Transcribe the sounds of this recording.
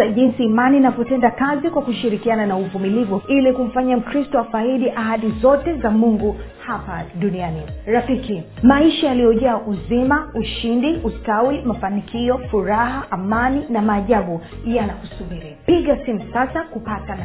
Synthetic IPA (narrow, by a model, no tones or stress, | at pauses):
aʄinsiːmaninavɔtɛndakazikwakuʃiɾikiananauvumilivuilikum̩faɲam̩kɾistɔafaiɗiʔahaɗizɔtɛzamuŋɡu | hapaɗunianiɾafikimaiʃajalijɔʄaːʔuzimauʃindiʔustawimafanikʰiɔfuɾahaʔamaninamaːʄaɓujanakusubiɾipiɠasimusasakupatan